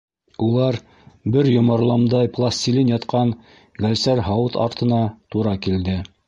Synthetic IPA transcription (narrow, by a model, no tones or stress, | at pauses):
ulˠɑɾ | bɘɾjŏmɑɾlˠɑmd̪ɑjplˠasʲt̪ʲilʲinjɑt̪qɑɴ | ɡælsæɾɦɑwɤt̪ɑ̰ɾt̪ɤ̆nɑt̪uɾɑkild̪ɘ